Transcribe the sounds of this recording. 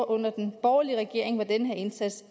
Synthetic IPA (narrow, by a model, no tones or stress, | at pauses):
ʔɔ̽n̰ɐd̥enb̥ɒʊɐliəʁɛɡ̥e̝ɐe̝ŋʋɑ̈d̥enəɦeɐe̝nsæd̥s